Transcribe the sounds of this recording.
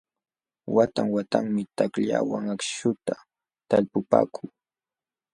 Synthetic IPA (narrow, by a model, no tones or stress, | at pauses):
wat̪aŋwat̪aŋmɪt̪akʎa̰waŋakʃʃʊt̪a | t̪alpʊpa̰ːkʰuː